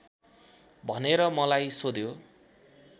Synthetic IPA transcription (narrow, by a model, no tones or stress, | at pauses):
bʱʌneɾʌmʌlajsod̪jo